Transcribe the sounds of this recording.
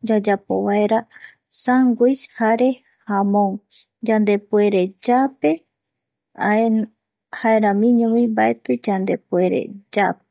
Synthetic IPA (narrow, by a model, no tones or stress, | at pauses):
d͡ʒad͡ʒapo̰βaeɾa | saŋɡijshaɾe̞ | hamõŋ | d͡ʒand̪e̞pue̞ɾed͡ʒape̞ | e | haeɾãmĩɲũmĩmbaet̪ɨd͡ʒand̪e̞pueɾḛd͡ʒape